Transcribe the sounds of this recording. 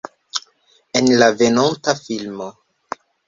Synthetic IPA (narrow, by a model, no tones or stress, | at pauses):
enlave̞nontafilmo